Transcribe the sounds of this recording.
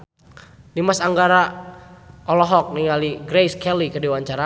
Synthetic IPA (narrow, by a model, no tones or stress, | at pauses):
dimasaŋɡaɾa | ɔlɔɦɔk̚niŋaliɡɾejskɛlikədiwaɲt͡ʃaɾa